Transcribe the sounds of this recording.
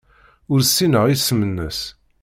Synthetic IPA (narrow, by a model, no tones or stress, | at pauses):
ʊɾsːinəʁisːəmənːəs